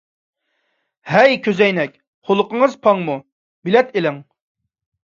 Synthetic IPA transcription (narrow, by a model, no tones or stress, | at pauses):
hɛjkʲʰøzɛjnɛkʲ | χolˠʊqəŋəzpʰɑŋmu | bilɛt̪elɪŋ